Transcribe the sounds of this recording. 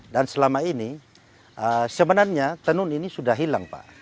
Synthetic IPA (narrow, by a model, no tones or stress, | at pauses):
dansəlamaini | ʔəsəmənanɲat̪ənʊninisudaɦilaŋpa̰ʔ